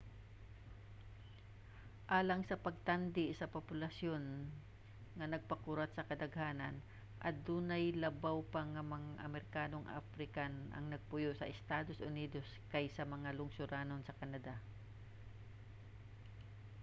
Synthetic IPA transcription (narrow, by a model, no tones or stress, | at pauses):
ʔaːlɐŋsɐpɐɡ̚t̪and̪ɪsɐpopʊlɐsjon | ŋɐnɐɡ̚pɐkuɾɐt̪̚sɐkɐd̪ɐɡhaːnɐn | ʔɐ̰d̪uːnajlɐbawpɐŋamɐŋaʔɐmɛɾɪkaːnoŋʔa̰fɾɪkanʔɐ̰ŋnɐɡ̚pʊjoʔsɐ̰ʔɛst̪aːd̪o̞sʔʊniːd̪oskajsɐmɐŋalʊŋsʊɾaːnonsɐkɐnɐd̪a